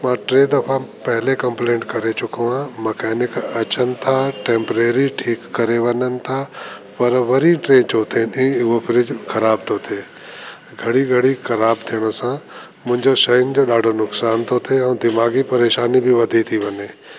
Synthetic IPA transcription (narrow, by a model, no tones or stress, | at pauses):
mãːʈɾẽːd̪ɐpʰapɛɦlekɐ̃mpleːɳʈkɐɾet͡ʃʊkõãmɐkɛːnɪkɐt͡ʃənt̪ʰaʈẽːmpɾeːɾiʈʰiːkːɐɾeʋɐnənɪ̆t̪ʰaː | pɐɾʋɐɾiʈɾẽːnt͡ʃoːt̪ʰenopʰɪɾɪd͡ʒkʰɐɾaːbt̪ʰot̪ʰeː | ɡʱɐɽiɡʱɐɽixɐɾaːbt̪ʰijɽ̃sã | mʊ̃ɦɪ̃ɲd͡ʒoʃɐɦɪnd͡ʒoɗaːɖʱonʊksaːnt̪ʰot̪ʰeɛ̃ːd̪ɪmaːɡipɐɾeːʃaːnibʱiʋɐd̪ʱit̪ʰiʋɐneː